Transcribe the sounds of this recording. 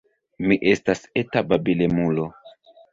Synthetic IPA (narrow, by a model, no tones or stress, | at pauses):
miʔe̞stasetababilemulo